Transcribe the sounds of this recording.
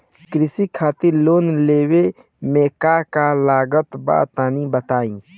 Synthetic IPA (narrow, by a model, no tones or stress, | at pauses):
kɾɪsikʰaːt̪ɪɾloːnleːwe | mẽːkakalaːɡət̪ba̰ːt̪aːnibət̪aːĩː